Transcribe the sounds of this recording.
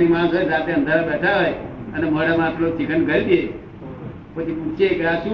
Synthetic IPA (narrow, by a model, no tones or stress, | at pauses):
ɾimãːɡəɾɾat̪eə̃nd̪ʱaɓɛʈʰaɦojəneməɽamãpʰlot͡ʃʰikʰənɡʱəld̪e | pət͡ʃʰipũt͡ʃekɾasũ